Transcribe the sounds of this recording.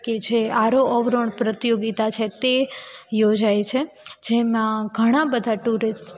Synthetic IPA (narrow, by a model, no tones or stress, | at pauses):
ked͡ʒeaɾoɔʋɾəɳpɾət̪joɡit̪at͡ʃʰet̪ejod͡ʒajt͡ʃʰed͡ʒemãɡʱəɽ̃ãbəd̪ʱaʈuɾɪs